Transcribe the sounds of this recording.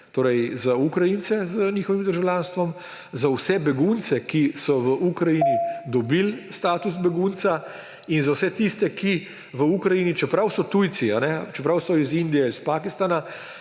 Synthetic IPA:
t̪oːɾɛjzaukɾajinsɛzənʲiːxɔʋimd̪əɾʒawlʲaːnst̪ʋɔm | zawsɛbɛɡunt̪sɛkisɔʋəʔukɾajinid̪ɔbilst̪aːt̪usbɛɡunt̪sa | inzawsɛt̪ist̪ɛki | ʋəukɾajiːnit͡ʃɛpɾawsɔt̪ujt̪sianɛt͡ʃɛpɾawsɔizind̪ijɛispaːkist̪ana

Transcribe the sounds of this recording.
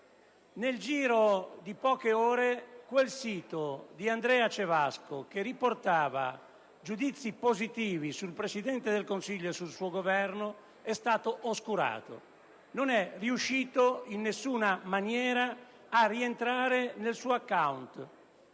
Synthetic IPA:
neld͡ʒiːɾod̪ipɔːkeɔːɾekwelsiːt̪od̪iand̪ɾɛːat͡ʃevaskok̟eriport̪aːva̰ | d͡ʒud̪it̪sːipozit̪iːvisulpɾesid̪ɛnt̪ed̪elkonsiʎːoesulsuːoɡovɛrno | ɛst̪aːt̪oʔoskuɾa̰ːt̪o̰ | nonɛriuʃːiːt̪oinːesːuːnamanjɛːɾaː | rːient̪ɾaːɾenelsuːoakːawnt̪

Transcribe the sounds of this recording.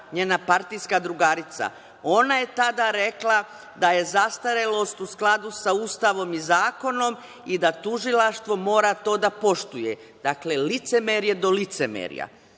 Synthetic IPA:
ɲeːnapaɾt̪ijskad̪ɾuɡaɾit̪sa̰ | o̞naje̞t̪ad̪aɾeklˠa | d̪aje̞zast̪aɾe̞lo̞st̪usklˠad̪usaust̪aʋo̞mizaːko̞no̞m | id̪at̪uʒilaʃt̪ʋo̞mo̞ːɾat̪o̞ːd̪apo̞ʃt̪uje̞ | d̪̥akle̞lit̪semeɾje̞d̪o̞lit̪semḛɾja̰

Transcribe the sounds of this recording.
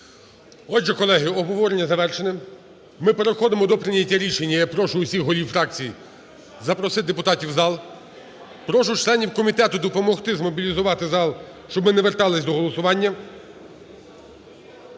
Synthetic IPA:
ɔd͡ʒɛkɔlˠɛɦɪɔbɦɔʋɔɾenʲːɐzɐʋɛrʃenɪm | mɪpeɾexɔd̪ɪmɔd̪ɔpɾɪnʲɐtʲːɐɾʲiʃenʲːɐjɐk̚pɾɔʃʊʊsʲixɦɔlʲiwfɾɑk̚t͡sʲiji | zɐpɾɔsɪd̪epʊt̪ɑtʲiwzɑlˠ | pɾɔʃʊt͡ʃlˠɛnʲiwkɔmʲit̪ɛt̪ʊd̪ɔpɔmɔxt̪ɪzmɔbʲilʲizʊʋɑt̪ɪzɑlˠ | ʃt͡ʃɔbmɪnɛʋert̪ɑlˠɪsʲd̪ɔɦɔlˠɔsʊʋɑnʲːɐ

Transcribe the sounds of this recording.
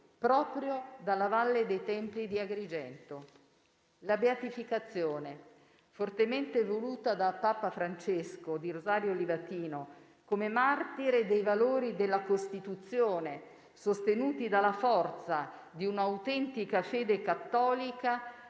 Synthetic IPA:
pɾɔːpɾjod̪alːavalːed̪ejt̪ɛmpid̪iaɡɾid͡ʒɛnt̪o | labeat̪ifikat̪sːjoːne | fort̪ement̪evoluːt̪ad̪apːaːpafɾant͡ʃeskod̪iɾozaːɾjolivat̪iːno | komemart̪iɾed̪ejvaloːɾid̪elːakost̪it̪ut̪sːjoːne | sost̪enuːt̪id̪alːafɔrt̪sa | d̪iunaːwt̪ɛnt̪ikafeːd̪ekat̪ːɔːlika

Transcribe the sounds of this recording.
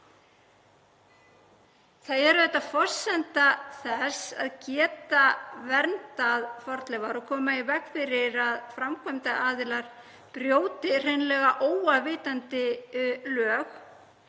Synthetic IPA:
θaðɛɾʏðɛht̪ːafɔr̥sɛnt̪aθɛsa̰ðcɛːt̪avɛɾnt̪aðfɔɾt̪lɛvaɾɔkʰɔːmaivɛkfɪɾɪɾaðfɾamkʰœjmt̪aʔaːðɪlaɾ̥ | pɾjoːwt̪ɪr̥ejnlɛːɣaʔoːwavɪːt̪ant̪ɪlœːx

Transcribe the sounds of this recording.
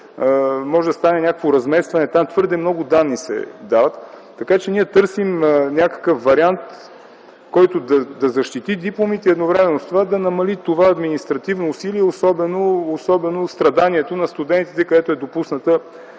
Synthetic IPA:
mɔʒɛd̪ɐst̪anɛnʲakə̥kvoɾɐzmɛst̪vɐnɛt̪amt̪vɤɾd̪ɛmnɔɡʊd̪anːisɛ̰d̪avət̪ː | ɐkat͡ʃɛniɛt̪ɤɾsimnʲakə̥kəfvɐɾiant̪ | kɔjt̪od̪ɐd̪ɐzɐʃt̪it̪id̪iplˠomit̪ɛɛd̪novɾɛmɛnost̪ovad̪ɐnɐmɐlit̪ovaɐd̪minist̪ɾɐt̪ivnoːsiliɛosɔbɛnoːsɔbɛnost̪ɾɐd̪aniɛt̪onɐst̪ud̪ɛnt̪it̪ɛkɐd̪ɛt̪oɛd̪opusnət̪ə

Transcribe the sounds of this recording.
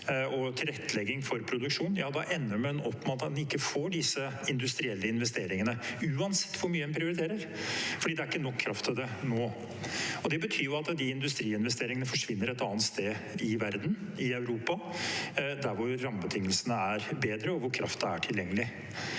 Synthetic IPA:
ɔt̪ʰɪlɾɛt̪ʰːəlɛɡːɪŋfɔɾpʰɾʊd̪ʉkʂuːnjɑːd̪ɑʔɛnːəɾmɛɛnɔpːmɑt̪ɑnɪkːəfoːɖɪsə | ɪnd̪ʉst̪ɾɪɛlːəɪnʋɛst̪eːɾɪŋənəʉːɑnsɛ̥t̪ːʋʊɾmyːɛnpʰɾɪʊɾɪt̪ʰeːɾəɾ | fɔɖiːd̪ɛæɾɪkːənɔkʰːɾɑft̪ʰɪd̪ɛnoː | ɔd̪ɛbət̪ʰyːɾjʊɑt̪d̪ɪɪnd̪ʉst̪ɾiːɪnʋɛst̪eːɾɪŋənəfɔʂʋɪnːəɾɛt̪ɑːnt̪st̪eː | ɪʋæɾd̪n | ɪœʉɾuːpɑ | d̪æɾʋʊɾːɑmbət̪ʰɪŋːəlsənəæɾbeːd̪ɾəɔʋʊɾkʰɾɑft̪̚d̪ɛæ̰ʈʰɪljɛŋːəlɪ

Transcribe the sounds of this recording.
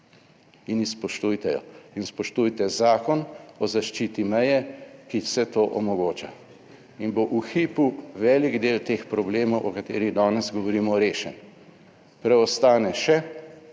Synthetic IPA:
inispɔʃt̪ujt̪ɛjɔ̰inspɔʃt̪ujt̪ɛzaːkɔnɔzaʃt͡ʃiːt̪imɛjɛkisɛt̪oːʔɔmɔɡoːt͡ʃa | inboʔuxiːpuʋɛːliɡd̪eːlt̪eːxpɾɔbleːmɔwʔɔkat̪eːɾiɣd̪aːnɛzɡɔʋɔɾiːmɔɾeːʃɛn | pɾɛɔst̪aːnɛʃɛ

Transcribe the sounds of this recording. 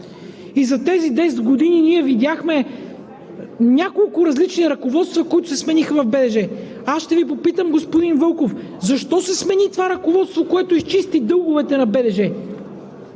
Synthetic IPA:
izɐt̪ɛzid̪ɛsɛd̪ɡod̪ininiɛvid̪ʲjaxmɛ | nʲakolˠkʊɾɐzlit͡ʃniɾɐkovɔt̪st̪vɐkoit̪ʊsɛsmɛnixəvɐvbɛd̪ɛʒɛ | asʃt̪ɛvip̬opit̪əmɡospʊd̪invɤlˠkofzɐʃt̪ɔsɛsmɛnit̪ovaɾɐkovɔt̪st̪vokoɛt̪oist͡ʃist̪id̪ɤlˠɡovɛt̪ɛnɐbɛd̪ɛʒɛ

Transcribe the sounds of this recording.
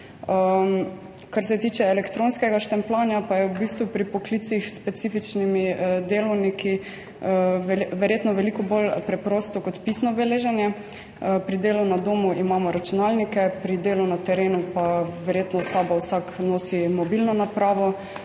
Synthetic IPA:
ə | kaɾsɛt̪iːt͡ʃɛɛlɛkt̪ɾõːnskɛɡaʃt̪ɛmplaːnjapajɛubiːst̪ʋupɾipɔkliːt̪sixspɛt̪siːfit͡ʃnimid̪eːlɔwnikʰi | ʋʋɛɾjeːt̪nɔʋɛlikɔbolpɾɛpɾoːst̪ɔkɔt̪pisnɔbɛleːʒɛnjɛ | pɾid̪eːlunad̪oːmuʔimaːmɔɾat͡ʃunalnikɛpɾid̪eːlunat̪ɛɾeːnupaʋɛɾjet̪nɔsaːbawsaknoːsimɔbilnɔnapɾaːʋɔ

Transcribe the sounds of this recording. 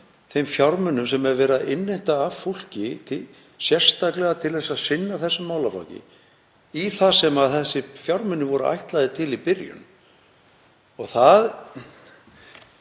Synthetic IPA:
θejmfjaɾmʏnːʏmsɛmɛɾvɛːɾaðʔɪnːejn̥t̪aːvful̥cɪt̪ʰɪ | sjɛr̥st̪aklɛɣat̪ʰɪlθɛsːaðsɪnːaθɛsːʏmaːwlafa̰wcɪ̰ | iθasɛmaðθɛsːɪfjaɾmʏnːʏvɔɾʏ̰ʔa̰jht̪lajðɪt̪ʰɪlipɪɾjʏ̰n | ɔɣθað

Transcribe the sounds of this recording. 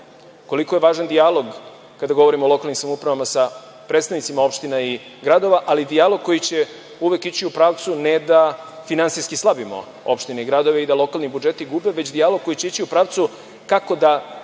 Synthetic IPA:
ko̞liko̞je̞ʋaːʒand̪ijalo̞ɡ | kad̪aɡo̞ʋoɾimoolo̞kalnimsamoupɾaʋamasa | pɾet̪st̪aʋnit̪imao̞pʃt̪inaiɡɾad̪o̞ʋaʔalid̪ijalo̞ɡ̚ko̞jit͡ɕe̞ | uʋe̞kit͡ɕiupɾaːʋt̪suned̪afinant̪sijskislˠabimo̞̰ | opʃt̪ineiɡɾad̪o̞ʋeid̪alˠo̞kalnibud͡ʒe̞t̪iɡube̞ʋe̞t͡ɕd̪ijaloɡ̚ko̞jit͡ɕe̞it͡ɕiupɾaːʋt̪su | kako̞d̪a

